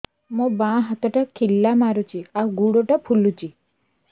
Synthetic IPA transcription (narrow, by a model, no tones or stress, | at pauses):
mõbãɦat̪ɔʈakʰilːamaɾut͡ʃʰiaɡuɽoʈapʰulut͡ʃi